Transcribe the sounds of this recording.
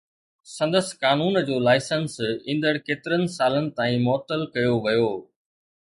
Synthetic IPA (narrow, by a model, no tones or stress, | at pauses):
sɐ̃nd̪əskaːnuːnd͡ʑoːlaːɪsənsĩːnd̪əɽkeːt̪ɪɾənɪ̆saːlənɪ̆t̪aːĩmɔːt̪əlkɐjoʋɐjoː